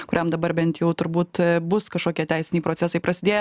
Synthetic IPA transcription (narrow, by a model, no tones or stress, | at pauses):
kʊɾʲɛmd̪ɐbɐɾbʲɛnt̪jɛʊt̪ʊɾbuːt̪bʊskɐʃkoːkʲiɛt̪ʲæɪsʲɪnʲɛɪpɾoːtt͡s̪ʲæsɐɪpɾʔɐsʲɪd̪ʲeːj